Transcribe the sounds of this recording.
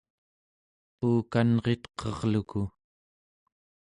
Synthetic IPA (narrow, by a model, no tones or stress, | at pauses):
puːkanʁe̞t̪qʰʌʁluku